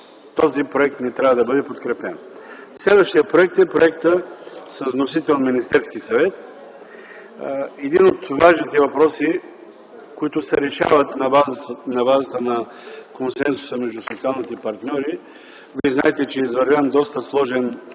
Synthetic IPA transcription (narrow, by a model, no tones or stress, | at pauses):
t̪ɔzipɾoɛk̚t̪nɛt̪ɾʲavəd̪ɐbɤd̪ɛpot̪kɾɛpɛn | slɛd̪vəʃt̪ijəpɾoɛk̚t̪ɛpɾoɛk̚t̪əsəzvnosit̪ɛlˠnminist̪ɛɾsk̟isɐvɛt̪̚ | ɛd̪inot̪vaʒnit̪ɛvɐpɾɔsi | koit̪ʊsɛɾɛʃa̰vət̪nɐbaznɐbazət̪ənɐ | konsɛnsʊ̥səmɛʒd̪usot̪sialˠnit̪ɛpɐɾt̪nʲɔɾi | vizna̰ɛt̪ɛt͡ʃɛizvɐɾvʲand̪ɔst̪əslˠɔʒɛn